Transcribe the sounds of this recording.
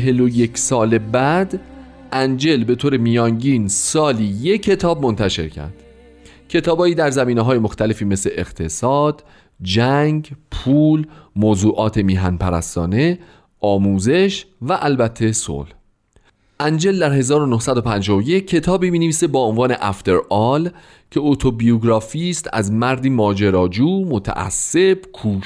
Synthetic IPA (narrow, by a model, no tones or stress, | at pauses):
eɦeloje̞cʰsɒːlebæd̪ | ʔænd͡ʒe̞lbe̞t̪ʰoːɾe̞mijɒːŋɟiːnsɒːliːje̞cʰːe̞t̪ʰɒːbmo̞nt̪ʰæʃe̞̰ɾcʰæ̰ɾd̪̥ | cʰe̞t̪ʰɒːbɒːiːd̪æɾzæmiːneɦɒːjemoxt̪æle̞fiːme̞sleʔext̪ʰe̞sɒːd̪̥ | d͡ʒæŋɡpʰuːlmoːzuːʔɒːt̪ʰe̞miːɦænpʰæɾæ̰st̪ɒ̰ːne̞ | ʔɒːmuːze̞ʃvæʔælbæt̪ʰːe̞so̰l | ʔænd͡ʒe̞ld̪æɾhe̞zɒːɾonohsæd̪opʰænd͡ʒɒːvoje̞c̚cʰːe̞t̪ʰɒːbiːmiːneviːsebɒːonvɒːne̞ʔæft̪ʰe̞ɾɒːl | cʰe̞ot̪ʰobioɡɾɒːfist̪ʰæ̰zmæɾd̪iːmɒːd͡ʒe̞ɾɒːd͡ʒuːmot̪ʰæ̰ʔæ̰sːe̞b̥kʰuːʃ